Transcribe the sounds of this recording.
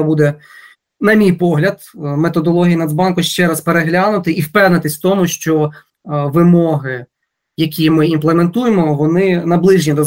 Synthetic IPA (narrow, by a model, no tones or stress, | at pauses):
bud̪ɛ | nɐmʲijpɔɦlʲɐd̪met̪ɔd̪ɔlˠɔɦʲijinɐd̪zbɑnkʊʃt͡ʃɛɾɐspeɾeɦlʲanʊt̪ɪʔiwpɛwnɪt̪ɪsʲt̪ɔmʊʃt͡ʃɔ | ʋɪmɔɦɪ | jɐkʲimɪimplˠement̪ujemɔʋɔnɪnɐblˠɪʒɲʲid̪ɔz